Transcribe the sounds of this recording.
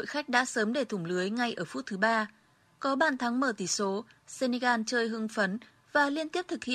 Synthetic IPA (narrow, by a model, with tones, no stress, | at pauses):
ɗo̰˧˨jxa˦˥k̟̚ɗa̰ː˧˥səː˨˦mɗe˧˩t̪ʰʊ˧˩ŋ͡mlɨ˨˦əjŋa˨˩jʔəː˧˩fu˦˥t̚t̪ʰɨ˨˦ɓaː˧ | kɔ˨˦ɓaː˧˩nt̪ʰa˨˦ŋməː˧˩t̪i˧˩so˨˦se˧ne˧ɣaː˧nt͡ɕəː˧jɦɨ˧ŋfə˨˦n | vaː˨˩li˧ənt̪i˦˥əp̚t̪ʰɨ˨˩k̚hḭ˧˨